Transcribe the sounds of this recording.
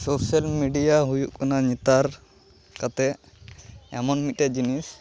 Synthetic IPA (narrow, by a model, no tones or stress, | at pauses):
sosalmiɖijaɦujuʔkanaɲit̪aɾ | kat̪ɛ | ɛmɔnmit̪̚ˀʈɛd͡ʒinis